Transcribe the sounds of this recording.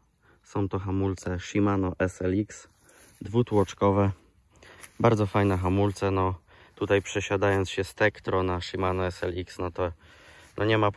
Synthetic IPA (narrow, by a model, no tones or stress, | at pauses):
sɔ̃w̃t̪ɔxamult̪sɛʂimanɔʔɛsɛliks | d̪vut̪wɔt͡ʂkɔvɛ | baɾd̪zɔfajnɛxamult̪sɛnɔ | t̪ut̪ajpʂɛɕad̪ajɔnt̪ɕɛst̪ɛkt̪ɾɔnaʂimanɔɛsɛliksnɔt̪ɔ | nʔɔɲɛmap